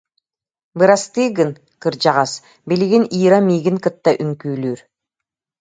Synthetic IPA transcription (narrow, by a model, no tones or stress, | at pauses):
bɯɾast̪ɯːɡɯn | kɯɾd͡ʑɑʁɑs | beliɡiniːɾamiːɡiŋkɯt̪ːɑʔyŋkyːlyːɾ